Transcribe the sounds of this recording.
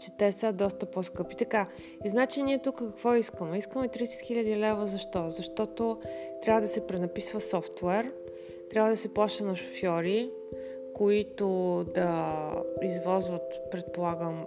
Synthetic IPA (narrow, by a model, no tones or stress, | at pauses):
t͡ʃɛt̪ɛsəd̪ɔst̪əposkɤpit̪ɐka | iznat͡ʃiniɛt̪ukəkɐkvɔiskəmɛiskəmɛt̪ɾisɛ̥t̪xiʎʲəd̪ilɛvəzɐʃt̪ɔzɐʃt̪ɔt̪ot̪ɾʲabvəd̪ɐsɛpɾɛnɐpisvəsɔft̪vɛɾ | t̪ɾʲabvəd̪ɐsɛplˠaʃt̪ənɐʃo̥fʲjɔɾi | koit̪od̪ɐ | izvɔzvət̪pɾɛt̪̚polˠaɡəm